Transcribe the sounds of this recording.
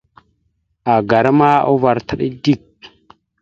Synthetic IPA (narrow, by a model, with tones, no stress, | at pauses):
a˨ɡa˨ɾa˦ma˦o̰˦va˨ɾta˦ɗḭ˦di˦˨k̚